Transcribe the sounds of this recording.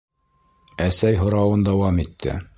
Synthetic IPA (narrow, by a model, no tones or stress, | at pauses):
æsæjɦŏɾɑwɤnd̪ɑwɑmit̪ʰːɘ̰